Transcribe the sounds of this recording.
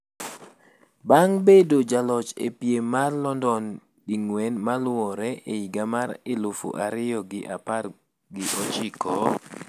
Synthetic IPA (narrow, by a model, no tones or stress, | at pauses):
baŋbedod͡ʒalɔt͡ʃḛpjemarlɔndɔn | ɗiŋwɛnmalʊwɔɾɛʔeiɡamaɾɪlofo̰ʔaɾɪjɔɡɪʔapar | ɡɪʔot͡ʃɪkʰɔ